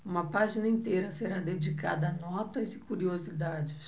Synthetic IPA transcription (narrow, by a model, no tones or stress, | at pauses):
ũmɐpaʒinɐĩnt̪ejɾɐseɾad̪ed͡ʒika̰d̪ɐːnɔt̪ɐzɪkuɾiozid̪ad͡ʒɪs